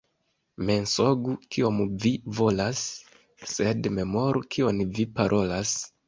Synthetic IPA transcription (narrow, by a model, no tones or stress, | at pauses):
me̞nso̞ɡukio̞mvivo̞lasː | e̞dme̞mo̞ɾukʰio̞nvipaɾʔo̞las